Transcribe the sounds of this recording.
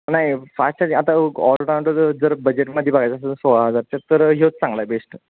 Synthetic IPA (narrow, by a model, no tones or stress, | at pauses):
naɦjfasʈaat̪aɔlʈoʈaw̃ɳʈoɾd͡zəɾbəd͡ʑeʈməd̪ʱːjebaɡat͡ɕassoʋaad͡zaɾt̪at̪ːəɾɦiot͡s̪sãŋɡlabesʈ